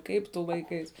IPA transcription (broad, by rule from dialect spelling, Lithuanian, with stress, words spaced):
ˈkɐɪp tʊ ˈlˠɐɪˌkɐɪs